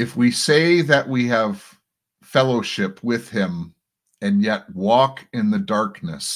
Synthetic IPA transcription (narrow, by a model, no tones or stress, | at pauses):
ɨfwiseɪðɨʔwiɨv̥ | fɛlˠoʊʃɪpʰwɪð̥ɪ̃m | ɨ̃njɛt̚wɔkʰɪ̃nðɨdɑɹknɨ̰s